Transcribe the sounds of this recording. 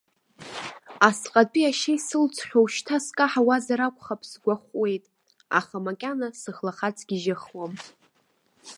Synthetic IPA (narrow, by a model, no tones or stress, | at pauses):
asqʼapʼiaʃejsɨlt͡sʷʰʼħʲʷᶣowʃtʰaskʼaħawazaɾakʷʰʼχapʰsɡʷaχʷwe̞jtʼ | a̰χamakʲʼanasɨχlaχat͡sʼɡʲiʒaχwam